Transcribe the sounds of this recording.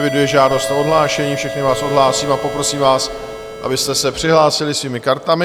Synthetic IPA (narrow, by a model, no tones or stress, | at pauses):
vɪdujɛʒaːdo̞st̪ao̞dɦlaːʃɛɲiːfʃɛxnɪvaːsʔodɦlaːsiːmapo̞pɾo̞siːmvaːs | ʔa̰bɪst̪ɛsɛpr̥ɪɦlaːsɪlɪsviːmɪkaɾt̪amɪ